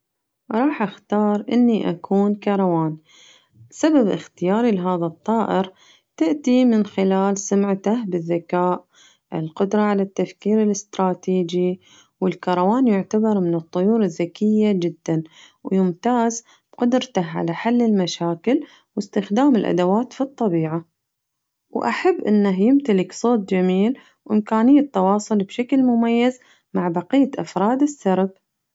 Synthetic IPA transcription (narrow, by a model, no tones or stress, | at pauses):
ɾˤɑːħʔaxt̪ɑːɾˤʔɪ̰nːiʔakʰuːnkɑɾˤɑwaːn | sababʔɪ̰xt̪ɪjaːɾilɦaːðat̪ˤːɑːʔɪɾ | t̪ɪʔt̪imɪnxɪlaːlsʊmʕt̪ahbɪðːakaːʔ | ʔɪ̰lqʊd̪ɾˤɑʕalat̪ːafkiːɾɪlɪst̪ɾˤɑːt̪iːd͡ʒi | wɪlkɑɾˤɑwaːnjʊʕt̪abɑɾˤmɪnɨt̪ˤːʊjuːɾɪðːakɪjːad͡ʒɪd̪ːan | wjɪmt̪aːz | b̥qʊd̪ɾt̪aɦʕa̰laħalːɪlmaʃaːkɪl | wɪst̪ɪxd̪aːmɪlʔa̰d̪awaːt̪fit̪ˤːɑbiːʕa | wʔa̰ħabːʔɪnːaɦjɪmt̪alɪksˤoːt̪̚d͡ʒamiːl | wʔɪmkaːnɪjːat̪ːɑwɑːsˤʊlbʃaklmʊmajːaz | maʕbɑqijːaʔafɾˤɑːd̪ɪsːɑɾˤb̚